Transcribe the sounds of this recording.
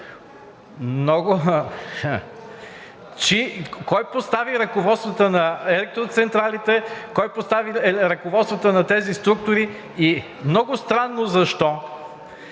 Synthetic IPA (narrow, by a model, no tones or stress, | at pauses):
mnɔɡʊ | t͡ʃikɔjpost̪aviɾɐkovɔt̪st̪vɐt̪ənɐɛlɛk̚t̪ɾot̪sɛnt̪ɾalit̪ɛkɔjpost̪aviɾɐkovɔt̪st̪vɐt̪ənɐt̪ɛzist̪ɾuk̚t̪ʊɾi | i | mnɔɡʊst̪ɾanːozɐʃt̪ɔ